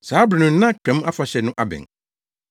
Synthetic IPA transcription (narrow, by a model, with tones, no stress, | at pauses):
saː˨˦bɾnʊ̃˨n̩˦nã˦kʰɛ̃˨˦ma˦fa˨ɕɛ˨nʊ̃˦ʔa˦bɪ̰̃˨ŋ